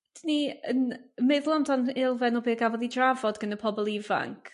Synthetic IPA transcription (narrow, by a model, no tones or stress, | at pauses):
d̥iniə̰nmɪðlˠɔmdanɪlˠvɛnɔbeːɡavɔðidravɔdɡənəpʰɔbɔlˠiva̰ŋkʰ